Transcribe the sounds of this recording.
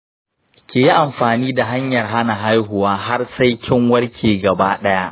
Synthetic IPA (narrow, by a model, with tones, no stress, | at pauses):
kʲeː˨ji˦ʔa˨mɸaː˨niː˦da˨ɦa˦ɲjɐ˨rɦa˦na˨ɦa˦jɦʊ˨waː˦ɦa˦rsa˦jkʲʰɪ˦ŋwɐ˦rkʲʰeː˨ɡɐ˨baː˦ɗɐ˦ja˦ʔ